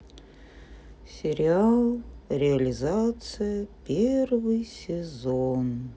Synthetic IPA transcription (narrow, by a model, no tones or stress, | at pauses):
sʲɪɾʲɪalˠɾʲɪɐlʲɪzat̪sɨjəpʲervɨjsʲɪzon